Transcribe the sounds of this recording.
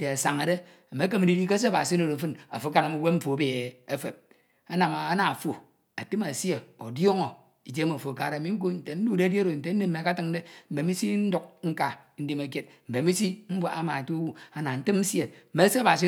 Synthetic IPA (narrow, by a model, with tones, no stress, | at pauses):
n̩˨te˨a˨sa˨ŋe˨de˦ | a˨me˨˦k̬e˦me˨di˦di˦ke˦s̬e˦˨ba̰˨si˦no˨ɾe˨˦fɨ˦na̰˨fu˦ka˦na˨mi˨wʷe˦m̩˦fo˨be˨e˨e˦fe˨p̚ | a˦na˨ma˨a˦na˨fo˨ | a˨tɨ˦ma˨sje˨o̰˨djo˦ŋo˨ | i˨d͡ʒe˦ma˨fo˨ka˨ɾe˨mi˦ŋ̩˦k̬o˦n̩˨te˨n̩˦du˦˨de˦djɾo˨n̩˨te˨˦n̩˦ne˦me˨ka˦tɨ˦ŋ˦de˦m̩˨be˨˦mi˦si˦n̩˦du˦k̚ŋ̩˦ka˨˦n̩˦de˦me˨k̬je˦t̚m̩˨be˨˦mi˦si˦m̩˦bwa˨ʔa˦ma˨tu˦wu˦a˨na˨n̩˦tɨ˦mn̩˦sje˨m̩˨me˨˦se˦a˦ba˨s̬i˦